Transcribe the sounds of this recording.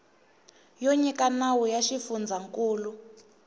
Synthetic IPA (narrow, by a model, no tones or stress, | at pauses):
joɲikanawujaʃifund͡zʱaŋkʼuːlu